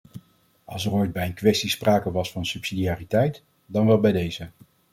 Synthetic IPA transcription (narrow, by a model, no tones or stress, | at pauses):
ɑlˠsərojd̚bɛjənkʋɛstispraːkəʋɑsfɑnsʉpsidiaːritɛjt | dɑnʋɛlˠbɛjdejzə